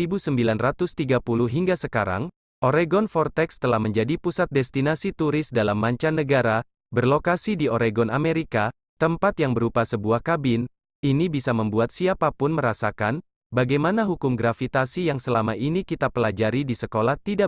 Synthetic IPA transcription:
ibusəmbilanrat̪ʊst̪iɡapuluɦiŋɡasəkaɾa̰ŋ | ʔoɾeɡɔnfɔrt̪ɛkst̪əlahməɲd͡ʒadipusat̪̚dɛst̪inasit̪uɾɪsdalamːaɲt͡ʃanːəɡaɾa | bərlokasidioɾeɡɔnʔameɾika | t̪əmpat̪jaŋbəɾupasəbuahkabɪn | inibisaməmbuat̪̚siapapʊnməɾasakan | baɡajmanaɦukʊmɡɾafit̪asijaŋsəlamaʔinikit̪apəlad͡ʒaɾidisəkolaht̪ida

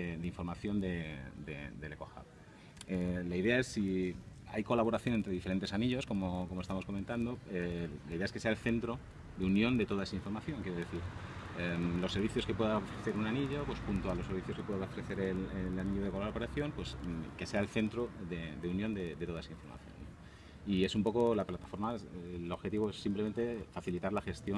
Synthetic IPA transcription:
ed̪eiɱfo̞ɾmaθjo̞nd̪ed̪ḛd̪e̞lekoxa̰β | elaiðe̞ae̞sːi | a̰jko̞laβo̞ɾaθjo̞nent̪ɾe̞ðife̞ɾe̞nt̪esaniʎo̞sko̞mokomoest̪amo̞skoment̪and̪o̞elaiðeaeskese̞aelθe̞nt̪ɾo | d̪eunjõ̞nd̪e̞t̪o̞ðae̞saiɱfo̞ɾmaθjo̞ŋkjeɾee̞θiɾemlo̞sːeɾβiθjo̞ske̞pwe̞ðaofɾe̞θeɾunaniʎo̞pwe̞spunt̪oalose̞ɾβiθjo̞ske̞pweðaofɾeθe̞ɾelelaniʎoðekoloɾapeɾaθjo̞mpwe̞ske̞se̞aelθe̞nt̪ɾoðed̪eunjond̪e̞d̪et̪oaesaĩɱfo̞ɾma̰θjo̰nːo | ie̞sumpo̞ko̞laplat̪ḁfo̞ɾmaloβxeiβoe̞sːimpleme̞nt̪e̞faθilit̪aɾlaxe̞st̪jo

